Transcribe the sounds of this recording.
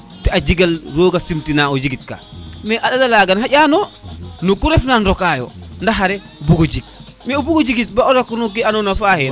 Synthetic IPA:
tɛad͡ʒiɡalɾoːɡasimtinaɔd͡ʒiɡit̚ka̰mɛʔaɗadalaɡanɦaɟʲanɔnɔkuɾɛfnanɾɔkajɔ̰ndaɦaɾɛ | buɡod͡ʒik̚ | mɛɔbuɡod͡ʒiɡit̚baɔɾakunɔkːianɔnafahɛ

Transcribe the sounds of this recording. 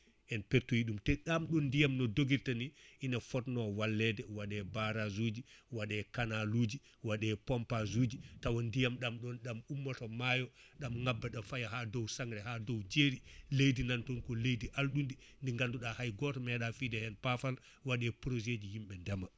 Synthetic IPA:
ʔɛnpeɾtujiɗumtɛɗamɗɔnːdijamnɔdoɡiɾtaniʔinafɔtnɔwalːɛdɛwaɗɛbaɾazud͡ʒiwaɗɛkanalud͡ʒi | waɗɛpɔmpazuːd͡ʒitawɔndijamɗamɗɔnɗamumːɔtɔmajɔɗamŋabːaɗafajaɦadɔwsaŋɾɛhadɔwd͡ʒeɾilejdinantɔnkɔlejdiʔalɗundi | ndiŋɡanduɗahajɡɔtɔmɛɗafidɛhɛnpafal | waɗɛpɾod͡ʒed͡ʒihimɓɛndɛma

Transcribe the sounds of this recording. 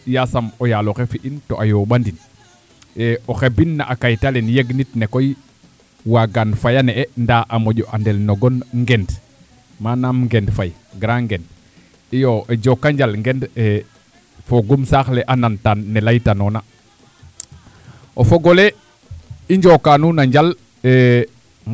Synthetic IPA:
jasamojaloxefiʔintoʔajoɓandin | eoxebinːa̰ʔakajtalenjeɡnitnekoj | waɡanfajaneendaʔamoɟoʔandelnoɡonŋɡend | manamŋɡendfajɡɾaŋɡend | ijoʔed͡ʒokːaɲd͡ʒalŋɡende | foɡumsaxleʔanantanːelajtanona | ofoɡole | iɲd͡ʒokːanunaɲd͡ʒal | e

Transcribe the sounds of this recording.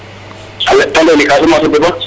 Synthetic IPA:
ɐlːɛt̪ɐlɛnɪkʼaːsʊmaːt̪ɔd̪ʊba

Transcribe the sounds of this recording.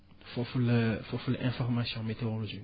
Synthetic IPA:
fɔfulfɔfulʔɛ̃fɔʁmasjɔ̃met̪eoloʒi

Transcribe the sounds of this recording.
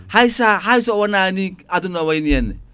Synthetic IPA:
haisaɦaisɔwananiadunawainiɛnːɛ̰

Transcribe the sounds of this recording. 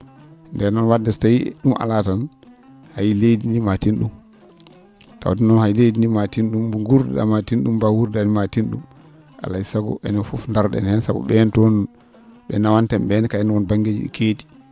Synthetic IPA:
ndɛnɔnwadːɛstajiɗumʔa̰latan | hajlejdinimatinɗum | ta̰wtinɔnhajlejdindimatinɗumbuŋɡuɾd̰ɗa̰matinɗumbawuɾdanimatinɗṵm | ʔa̰laisaɡɔ̰ʔɛ̰nɔfufndaɾɗɛ̰nhɛnsabṵɓɛntɔn | ɓɛnawantɛmɓɛnɛkajɛnwɔnbaŋɡed͡ʒḭɗḭkʰeːti̥

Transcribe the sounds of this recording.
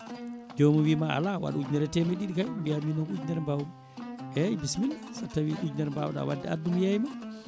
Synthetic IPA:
d͡ʒomuwiːmaa̰lawa̰ɗud͡ʒnɛɾɛtɛmɛɗiɗikajmbiaminɔʔud͡ʒnɛɾmbawum | ɛbismilasatːawiʔud͡ʒnɛɾmbawɗa̰wa̰dːɛa̰dumjajma

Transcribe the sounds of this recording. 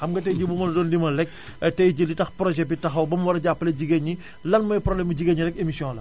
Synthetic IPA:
xɐmɡɐtɛjɟibumɐldɔːndimɐlɛk̚ | tɛjɟilitɐxprɔʒɛbitɐxɐwbɐmwɐɾɐɟapːɐlɐɟiɡeɲi | lɐnmɐjpɾɔblɛmbiɟiɡeɲːiɾɛk̚emisijɔ̃ːlɐ

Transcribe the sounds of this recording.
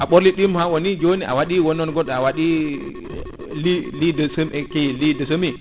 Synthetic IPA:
ʔaɓoɾliɗimhawonid͡ʒoːniʔa̰waɗiwɔnːɔnɡɔɗawaɗi | lilidɔsəmɛkelidəsəmi

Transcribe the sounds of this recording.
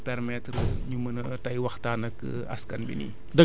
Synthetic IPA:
pɛrmɛtrəɲumənətɐjwɐxtanɐkːə̰ | ɐ̰skɐnbḭnḭ | dɐ

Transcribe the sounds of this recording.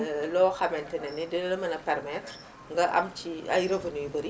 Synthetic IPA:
lɔːxɐmɛntɛnɛnɛdɛnlɐmɐnɐpɛrmɛtr | ŋɡɐʔɐ̰mt͡ʃiɐ̰jɾɐvɐnujbɐɾi

